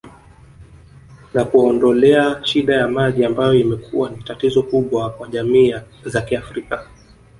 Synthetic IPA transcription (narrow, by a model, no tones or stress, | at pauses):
nakuɔndɔlɛaʃiɗajamaʄiambajɔimɛkʰuwanitatizɔkuɓwakwaʄamiː | zakiafɾika